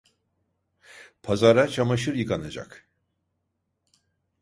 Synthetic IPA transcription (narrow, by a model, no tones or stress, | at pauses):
pʰazaɾat͡ʃʰamaʃɯɾjɯkanad͡ʒa̰k